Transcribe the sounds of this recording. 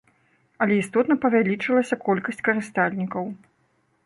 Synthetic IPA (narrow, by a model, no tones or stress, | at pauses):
ɐlʲɛist̪ɔt̪nɐpɐvʲalʲit͡ʂɨlˠɐsʲɐkɔlʲkɐsʲt͡sʲkɐɾɨst̪alʲnʲikɐw